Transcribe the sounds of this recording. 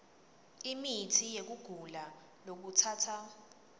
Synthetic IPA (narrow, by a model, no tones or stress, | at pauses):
imitʰijek̬uɡ̥ʱula | lok̬utʰaːtʰa